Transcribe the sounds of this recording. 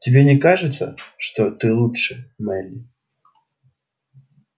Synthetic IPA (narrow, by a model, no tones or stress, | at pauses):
tʲɪbʲenʲɪkaʐɨt̪sə̰ʂt̪ot̪ɨlˠutʂɨmɛlʲːɪ